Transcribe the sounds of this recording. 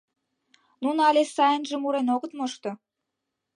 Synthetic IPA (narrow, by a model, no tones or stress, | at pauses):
nunɑlʲesɑjənʒĕmuɾenoɣə̆t̪moʃt̪o